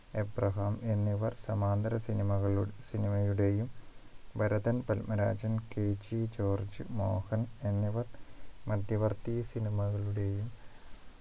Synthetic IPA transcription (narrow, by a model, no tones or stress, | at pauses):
eprɐɦaːme̞nːiʋɐrsɐmaːnd̪ɐɾɐsinimɐɣɐɭsinimɐjuɽe̞jumbʱɐɾɐðɐnpɐlmɐɾa̰ːd͡ʑɐnkeːd͡ʑit͡ɕo̞ːrd͡ʑɨ̰mo̞ːhɐne̞nːiʋɐrmɐd̪jɐʋɐrt̪ijɐsinimɐɣɐɭuɽe̞jum